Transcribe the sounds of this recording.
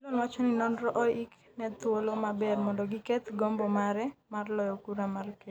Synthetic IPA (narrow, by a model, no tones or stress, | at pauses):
lonwat͡ʃɔninɔnɾɔʔɔjik | nɛt̪wolomabɛrmɔndɔɡikɛt̪ɡɔmbɔmaɾɛmarlɔjɔkuɾamalke